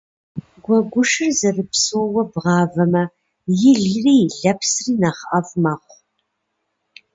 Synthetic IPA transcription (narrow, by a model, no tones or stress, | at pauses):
ɡʷɔɡʷʊʂɨrzɐrɨpsoːwɐbʁɑːvɐmɐ | jɪɮriːɮɐpʰsriːnɐχʔɐvmɐχʷ